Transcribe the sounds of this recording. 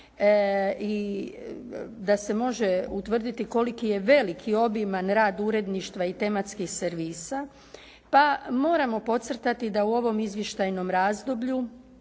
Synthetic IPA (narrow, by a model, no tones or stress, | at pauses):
i | d̪ase̞mo̞ʒeut̪ʋr̩d̪it̪iko̞likije̞ʋe̞likʰio̞bimanɾaːd̪uɾe̞d̪niʃt̪ʋait̪e̞mat̪skixseɾʋiːsa | pamo̞ːɾamo̞po̞t̪srt̪at̪id̪auo̞ʋo̞mizʋjeʃt̪ajno̞mɾaːzd̪o̞bʎu